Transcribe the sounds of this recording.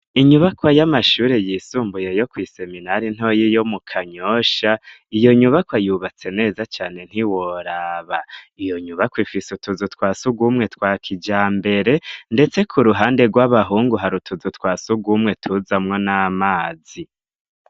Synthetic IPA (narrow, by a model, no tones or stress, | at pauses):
iɲuβakwajamaʃuːɾe̞jiːsuːmbujejo̞kwiːse̞minaɾin̥ho̞jijo̞mukʰaɲoʃa | ijo̞ɲuβakwajuβat͡se̞ne̞ːzat͡ʃaːne̞n̥hiwo̞ɾaβaijo̞ɲuβakwifisutuzutkwaːsuɡumŋe̞tkwaːkʰid͡ʒaːmbe̞ɾe̞nde̞t͡se̞kʰuɾuɦaːnde̞ɡwaβaɦuːŋɡuɦaɾutʰuzutkwaːsuɡwumŋe̞tʰuzamŋo̞naːmaːzi